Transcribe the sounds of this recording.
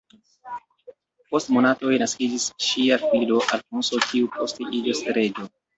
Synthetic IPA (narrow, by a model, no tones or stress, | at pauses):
po̞stmo̞nato̞jnaskid͡ʒisʃiafilo̞ʔalpunso̞kʰiupʰo̞steʔid͡ʒoseɾe̞d͡ʒo̞